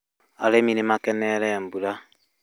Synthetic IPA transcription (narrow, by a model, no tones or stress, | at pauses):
aleminemakɛnɛɾɛmbula